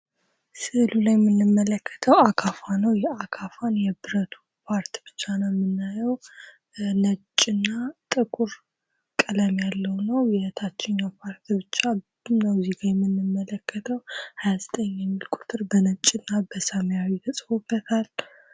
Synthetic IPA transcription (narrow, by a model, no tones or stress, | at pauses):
sɨʔɨlulajmɨnːɨmːələkʰːə̥t̪ʰəwakʰafanəwjɛakʰafanjɛbɨɾət̪ʰu̥ | pʰaɾt̪ʰibɨt͡ʃːanamːɨnːajɛw | nət͡ʃʼːɪnːat̪ʼɨkʼuɾ | kʼɨləmjalːəwnəwjɛət̪ʰat͡ʃːɪɲːawpʰaɾt̪ʰibɨt͡ʃːa | nəwziɡajmːɨnːɨmːələkːət̪ʰəwhajazət̪ʼəɲːɛmːilkʷʼu̥t̪ʰʼɨɾbənət͡ʃʼːɪnːabəsəməjawit̪ʰəsʼəwubət̪ʰal